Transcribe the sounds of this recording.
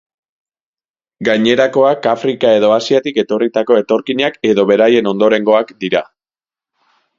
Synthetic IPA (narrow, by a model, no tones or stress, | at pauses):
ɡaɲe̞ɾako̞akafɾikae̞ð̞o̞asiat̪ike̞t̪o̞rit̪ako̞e̞t̪o̞ɾkiɲake̞ðo̞βe̞ɾaje̞no̞nd̪o̞ɾe̞ŋɡo̞akd̪iɾa